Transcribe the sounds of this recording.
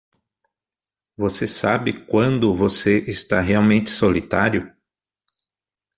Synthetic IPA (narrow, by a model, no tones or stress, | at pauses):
vosesabɪkwɐ̃nd̪ʊvoseʔɪst̪aɦeawmẽnt͡ʃ̪ɪ̥solit̪aɾjʊ